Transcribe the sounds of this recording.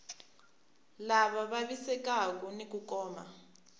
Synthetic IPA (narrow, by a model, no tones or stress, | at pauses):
laβaβaβisɛkak̬ɔnikukɔːma̰